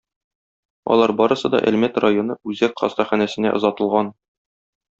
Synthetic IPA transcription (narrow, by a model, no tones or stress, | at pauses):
ɒ̰lˠɑɾbɒɾɤ̆sɤd̪ɒ̰ʔæ̰lmæt̪rajonɤʉzækqɒ̰st̪ɑχænæsɘ̆næ̰ʔŏzɒt̪ɤ̆lˠʁɑn